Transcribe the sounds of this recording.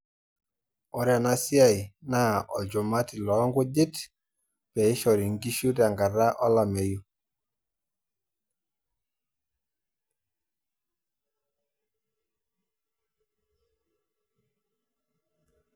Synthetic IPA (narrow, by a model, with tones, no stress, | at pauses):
ɔ˨ɾja˨na˦si˦a˦˨jna˦˨ʔɔ˨d͡ʒɔ˨ma˦ti˨lɔ˨˦ŋɡu˦d͡ʒɪ˦t | pɛ˨i˦ʃɔ˨ɾi˨ŋɡi˦ʃu˦ta˨ŋɡa˨ɾa˦ʔɔ˦la˨me˨ju˦